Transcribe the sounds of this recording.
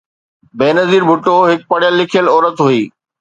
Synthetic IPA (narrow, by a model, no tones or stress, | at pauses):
beːnɐziːɾbʱʊʈoɦɪk̚pɐɽɪjəlːɪkʰijəlɔːɾət̪ɦuiː